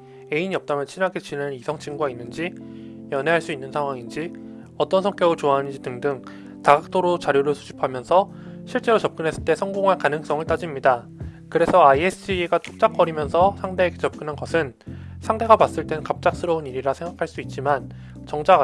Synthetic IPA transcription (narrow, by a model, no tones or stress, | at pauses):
e̞iɲiʌp̚t͈amjʌnt͡ɕʰinɦaɡet͡ɕinenɯnisʰʌŋt͡ɕʰiŋɡuɡainːɯnd͡ʑijʌne̞ɦaɭs͈uinːɯnsʰaŋwaŋind͡ʑi | ʌt͈ʌnsʰʌŋk͈jʌɡɯt͡ɕoaːnnd͡ʑidɯŋdɯŋ | taɡak̚t͈oɾot͡ɕaɾjoɾɯɭsʰud͡ʑipʰamjʌnsʰʌ | ɕʰiɭt͡ɕ͈e̞ɾot͡ɕʌp̚k͈ɯnɦe̞s͈ɯ̥ɭt͈e̞sʰʌŋɡoŋɦaɭkanɯŋs͈ʌŋɯɭt͈ad͡ʑimɲida | kɯɾe̞sʰʌaiesʰɯieɡatʰok̚t͡ɕ͈ak͈ʌɾimjʌnsʰʌsʰaŋde̞ːɡe̞t͡ɕʌp̚k͈ɯnɦanɡʌsʰɯnsʰaŋde̞ɡapas͈ɯɭt͈e̞nɯnkap̚t͡ɕ͈ak̚s͈ɯɾʌuniɾiɾasʰe̞ŋɡakʰaɭs͈uit̚t͡ɕ͈iman | t͡ɕʌŋt͡ɕ͈aɡ